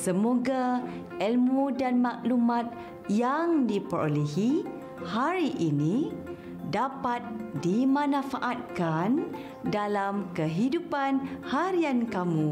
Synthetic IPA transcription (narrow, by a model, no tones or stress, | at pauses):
səmoɡa | ɛlmudanmaʔlumãt̪̚ | jaŋdipəɾo̰leɦi | haɾiʔini | dapat̪̚dimãnãfaʔat̪̚kan | dalamkəɦidupanhaɾiankamũ